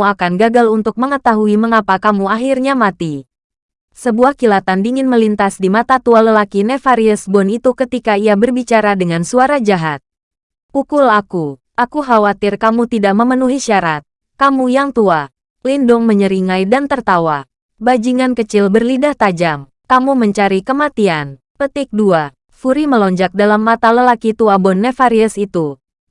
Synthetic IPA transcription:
akanɡaɡalunt̪ʊk̚məŋət̪aɦuiməŋapakamuaɦirɲamat̪i | səbuahkilat̪andiŋɪnməlint̪asdimat̪at̪ualəlakinefaɾiəsbɔnit̪ukət̪ikaiabərbit͡ʃaɾadəŋansuaɾad͡ʒaɦat̪̚ | ʔukulaku | ʔakuɦawat̪ɪrkamut̪idaʔməmənuɦiʃaɾat̪̚ | kamujaŋt̪ua | lindʊŋməɲəɾiŋajdant̪ərt̪awa | bad͡ʒiŋankət͡ʃɪlbərlidaht̪ad͡ʒam | kamuməɲt͡ʃaɾikəmat̪ian | pət̪ɪk̚dua | fuɾiməlɔɲd͡ʒak̚dalamːat̪aləlakit̪uabɔnːefaɾiəsit̪u

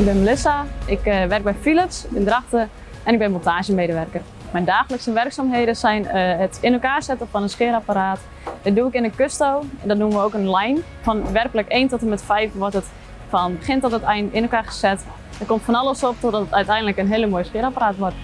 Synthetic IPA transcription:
ɪɡ̚bɪnməlɪsaɪkʋɛrk̚bɛjfiləpsɪndraxtə | ɛnɪɡ̚bɪnmontaːʒəmeːdəʋɛrkər | mɛndaːxələksəʋɛrksaːmɦejdəsɛjnətɪnolkaːrsɛtəfɔnənskɪəɾapaɾaːt | d̥ɔt̚duɪkɪnənkøstowɛndɔtnuməʋəowkənlɛjn | fɔnʋɛrkələkeːntɔtəmɛtfɛjfʋɔrtət | fɔnbəχɪntɔtətɛjnɪnolkaːχə̥sɛt | ətkomtfɔnɑlˠəsop̚tɔdɔtətœɥtɛjndləkənɦeələmoːjəsxɪəɾapaɾaːtʋort

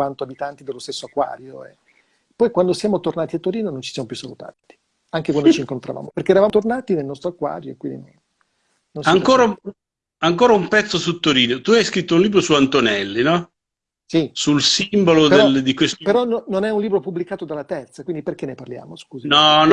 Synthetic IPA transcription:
want̪oabit̪ant̪id̪elːost̪esːoakːwa̰ːɾjoḛ | pːɔjkwand̪osjaːmot̪ornaːt̪iat̪ːoɾiːnonont͡ʃisjaːmopjusːalut̪a̰t̪i̥ | aŋkekwand̪oot͡ʃiŋkont̪ɾa̰va̰ːmoperkeːɾavaːt̪ornaːt̪inelnɔst̪ɾoakːwa̰ːɾjoekwind̪ino̰nː | onsaŋkoːɾa | aŋkoːɾaumpɛt̪sːosut̪ːoɾiːnot̪uajskɾit̪ːounliːbɾosuant̪onɛlːinɔ | sisulsimbolodpeeld̪ikwespeɾɔnononɛunliːbɾopubːlikaːt̪od̪alːat̪ɛrt̪sakwind̪iperk̟enːeparlja̰ːmoskuːzinɔn

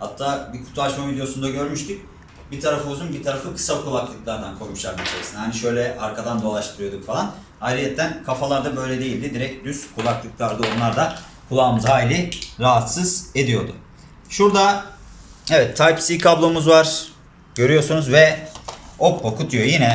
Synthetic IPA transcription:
ha̰t̪ʰːaːbikʰu̥t̪ʰuaʃmavid̪ejo̞sund̪aɟø̞ɾmyʃt̪ic̚ | bit̪ʰaɾafɯuzunbit̪ʰaɾafɯkʰɯ̥sakʰulˠaklˠɯklˠaɾd̪ankʰoɾmuʃlˠaɾd̪it͡ʃʰaɾsɯnhaniʃø̞jlʲɛʔaɾkʰad̪and̪o̞lˠaʃt̪ʰɯɾɯjo̞d̪ukfalˠan | ajɾʲijɛt̪ːænkʰafalˠaɾd̪abø̞jlʲɛd̪e̞jilʲd̪id̪iɾɛc̚d̪yskʰulˠaklˠɯklˠaɾd̪ɯo̞nlˠaɾd̪a | kʰulˠaːmɯzhaːjlʲɪɾaɦat̪sɯz̥e̞d̪ijo̞d̪ʊ̰ | ʃuɾd̪a | evɛt̪ʰːajpsikʰablˠo̞muzvaɾ̥ | ɟ̥ø̞ɾyjo̞ɾsunuzvɛ | o̞pʰːokʰut̪ʰujo̞jinɛ

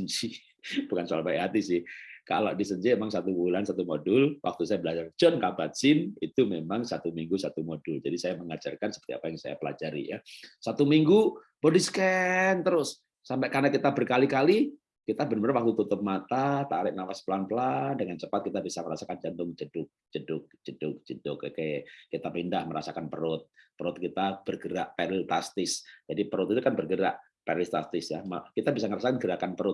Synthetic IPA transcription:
ənt͡ʃi | b̥ukansualabaɦat̪isɪhka̰loʔdisəɲt͡ʃiemaŋsat̪ubulansat̪umodʊlwak̚t̪usajabəlad͡ʒard͡ʒɔnkabat̪̚sɪnit̪umemaŋsat̪umiŋɡusat̪umodʊld͡ʒadisajaməŋad͡ʒa̰rkansəpərt̪ia̰pajaŋsa̰ja̰pəla̰d͡ʒaɾḭjasat̪umiŋɡu | b̥ɔdiskɛnt̪əɾʊsː | ampɛʔkarnakit̪abərkalikali | kit̪abənməɾnwak̚t̪ut̪ut̪ʊp̚mat̪at̪aɾɪʔ̚nawasplanpəlandəŋant͡ʃəpat̪̚kit̪abisaməɾasakand͡ʒant̪ʊŋd͡ʒədʊk̚d͡ʒədʊk̚d͡ʒ̥ədʊk̚d͡ʒ̥ədʊkkeʔkit̪apindahməɾasakanpəɾʊt̪̚pəɾʊt̪̚kit̪ab̥ərɡəɾa̰ʔpɛɾɪlt̪ast̪ɪsd͡ʒadipəɾʊt̪it̪ukanbərɡəɾa̰ʔ | pɛɾlɪst̪a̰st̪ɪsjamakit̪abisaŋəɾasakanɡəɾakanpəɾʊt̪̚

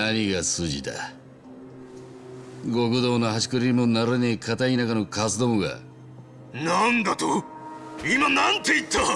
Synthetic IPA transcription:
aɲ̟iɡasɨʑit̪a̰ | ɡokɯ̟d̪o̞ːnoɦaɕi̥kɯɾiimo̞naɾɯnekʰat̪ainakano̞kas̬ɨd̪o̞moɡa̰ | nand̪at̪o | imanãnt̪eit̪ʰːa

